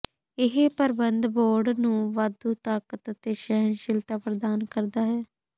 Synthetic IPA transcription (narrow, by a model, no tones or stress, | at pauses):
ɪɦepəɾbənd̪boːɾɖnũːʋad̪uːt̪aːkət̪ət̪eːʃɛɦənʃɪlt̪aːpəɾd̪aːnkəɾd̪aːɦɛː